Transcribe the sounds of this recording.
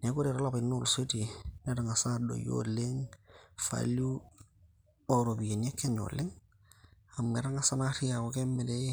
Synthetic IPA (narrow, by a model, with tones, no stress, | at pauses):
ne˨˦ku˦ɾe˨ɾo˦la˦pa˨i˨nu˦lse˦ti˨ne˦ɾa˨ŋa˨sa˦do̰˨jo̰˦le˦ŋfa̰lu˦ | o˨ɾo˨bi˨e˨n˦e˦kːe˦ɲo̰˨le˦ŋ | a˨mːe˨ɾa˦ŋa˨sa˦na˦ɾi˦ja˨ko˨ke˦mːɛ˨de˦je˦